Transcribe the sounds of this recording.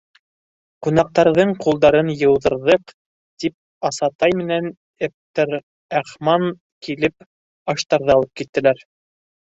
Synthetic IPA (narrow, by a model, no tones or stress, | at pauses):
qunɑq̚t̪ɑɾðɤɴqulˠd̪ɑɾɤnjɤ̆wðɤ̆ɾðɤq | t̪ip̚ | ɑsɑt̪ɑjmɘ̆næn | ep̚t̪ɘɾ | æχmɑŋ | kilɘp | ɑʃt̪ɑɾðɤɑɑlˠɤp̚kit̪ːɘ̆læɾ